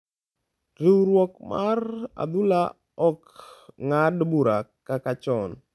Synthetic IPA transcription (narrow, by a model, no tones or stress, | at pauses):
ɾiwɾwɔkmara̰d̪ula | ɔkŋadbuɾakakat͡ʃɔn